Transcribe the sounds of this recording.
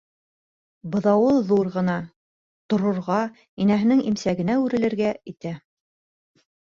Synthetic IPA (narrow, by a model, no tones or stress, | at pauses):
bɤ̆ðɑwɤðuɾʁɤ̆nɑ | t̪ŏɾŏɾʁɑ | inæɦɘ̆nɘŋimsæɡɘ̆næʉɾɘ̆lɘ̆ɾɡæit̪æ